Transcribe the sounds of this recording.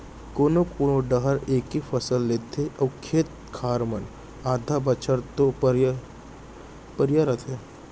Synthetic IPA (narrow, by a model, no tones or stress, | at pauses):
koːnokoːnoɖəɦəɾeːkifəsəlːeːt̪ʰeʔɐwkʰeːt̪̚ | kʰaːɾmɐn | aːd̪ʱabət͡ʃʰəɾt̪oɾ | pəɾjaɾɐt̪ʰe